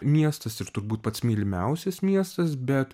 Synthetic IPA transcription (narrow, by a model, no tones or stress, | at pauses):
mʲiɛst̪ɐsɪɾt̪ʊɾbuːt̪̚pɐt̪smʲiːlʲɪmʲɛʊsʲɛsmʲiɛst̪ɐsbʲɛt̪